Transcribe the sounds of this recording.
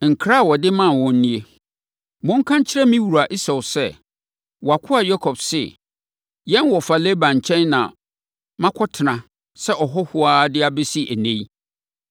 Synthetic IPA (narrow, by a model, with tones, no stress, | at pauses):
ŋ̩˨kʰɾa˦˨wɔ˨dɪ˦mã˦˨wɔ̃˨n̩˦nĩ˦e˦ | mʊ̃˦ŋ˦kʰã˦ɲt͡ɕʰɪ˦ɾɛ˦mĩ˦wu˨ɾa˨ʔi˦sɛ˨wʊ˨sɛ˦ | wɔ˨a˨kʰʊ˦a˨jɔ˦kʰɔ˨bsɪ̰˨ | jɛ̃˦nwɔ˨fa˨le˦bã˨ɲ˨t͡ɕʰɛ̃˦nnã̰˨ | mã˦kʰɔ˦tʰɪ˨nã˨ | sɛ˦ʔɔ˨ɦɔ˦hʊ˦aː˦dɪ˦a˦be˦si˦ʔæ˨nẽ˦i˦